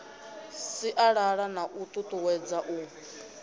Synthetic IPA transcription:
siʔaɺaɺanaʔut̪ʼut̪ʼuwɛd͡zaʔuː

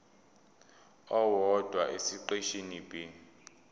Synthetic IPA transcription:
ɔwɔd̥ʱwaʔesiǃeʃinibi

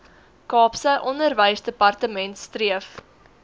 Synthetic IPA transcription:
kɑːpsəʔɔndərvəjsdəpɐrtəmɛntstriəf

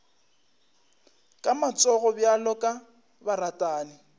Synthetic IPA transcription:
kʼamat͡sʼɔɣɔbjalɔkʼa | baratʼaːnɪ

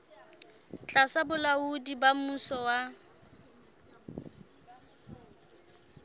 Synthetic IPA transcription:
t͡ɬʼasabʊlaudibamusɔwa

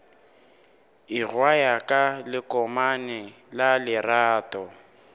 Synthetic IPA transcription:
iɣwajakʼalɪkʼɔmanɛlalɪraːtʼɔ

